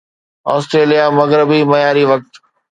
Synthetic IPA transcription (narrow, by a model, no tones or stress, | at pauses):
ɔːsʈɾeːlijamɐɣɾɪbimɐjaːɾiʋɐk̚t̪